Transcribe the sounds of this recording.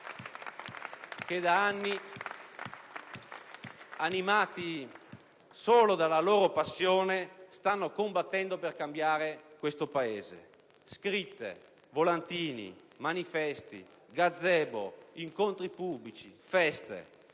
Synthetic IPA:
k̟ed̪aanːi | animaːt̪i | soːlod̪alaloːɾopasːjoːnest̪anːokombat̪ːɛnd̪operkambjaːɾekwest̪opaeːzḛ | skɾit̪ːḛ | volant̪iːnḭ | manifɛst̪ḭ | ɡad̪zːɛbo̰iŋkont̪ɾipubːlit͡ʃifɛst̪ḛ

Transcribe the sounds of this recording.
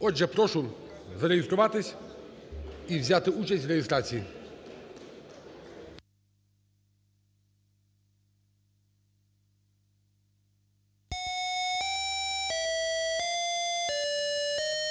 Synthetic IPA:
ɔd͡ʑɛpɾɔʂu | zaɾɛjest̪ɾɔvat̪ɘɕʲ | ivʑʲat̪ɘut͡ɕɛt͡ɕʲvɾɛjɛst̪ɾat̪sʲji

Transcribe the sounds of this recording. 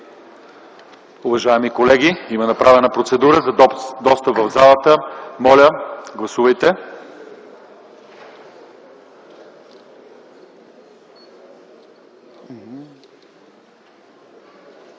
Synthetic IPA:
uvɐʒaɛmikolɛɡiimənɐpɾavɛnəpɾot̪sɛd̪uɾəzɐd̪ɔst̪əpvɐvzalˠət̪əmɔlʲəɡlˠɐsuvəjt̪ɛ

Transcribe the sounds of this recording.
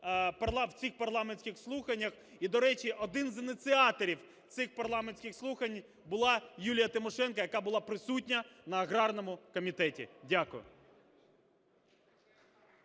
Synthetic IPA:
pɐrlˠɑwt͡sʲixpɐrlˠɑmenʲsʲkʲɪxslˠuxɐnʲːɐx | id̪ɔɾɛt͡ʃiʔɔd̪ɪnzɪnʲɪt̪sɪɑt̪ɔɾʲiw | t̪sɪxpɐrlˠɑmenʲsʲkʲɪxslˠuxɐnʲ | bʊlˠɑjulʲijɐt̪ɪmɔʃɛnkɐjɐkɑbʊlˠɑpɾɪsutʲnʲɐnɐːɣɾɑrnɔmʊkɔmʲit̪ɛtʲḭdʲakʊjʊ̰

